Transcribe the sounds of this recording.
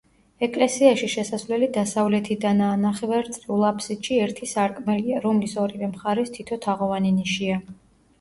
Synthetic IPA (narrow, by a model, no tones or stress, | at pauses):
ɛkʼlɛsiaʃiʃɛsasvlɛlid̪asavlɛt̪ʰid̪anaːnaχɛvaɾt̪sʼɾiulˠapʰsit̪ʃiɛɾt̪ʰisaɾkʼmɛliaɾɔmlisɔɾivɛmχaɾɛst̪ʰit̪ʰɔt̪ʰaʁɔvaniniʃia